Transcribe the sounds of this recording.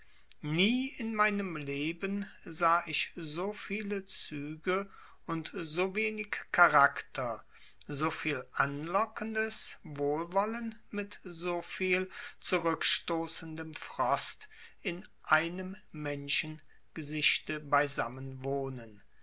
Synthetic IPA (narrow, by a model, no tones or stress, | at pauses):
niːɪnmaɪnəmleːbənzaːʔɪçzoːfiːlət͡syːɡə | ʊntzoːveːnɪkkʰaʁaktʰɐ | zoːfiːlʔanlɔkəndəsvoːlvɔlənmɪtzoːfiːlt͡suʁʏkʃtoːsəndəmfʁ̥ɔstʔɪnʔaɪnəmmɛnʃən | ɡ̥əzɪʃtəbaɪzamənvoːnən